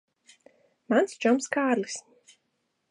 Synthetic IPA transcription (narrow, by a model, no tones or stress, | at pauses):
mant̪sʰd͡ʒɔmskʰaːɾlis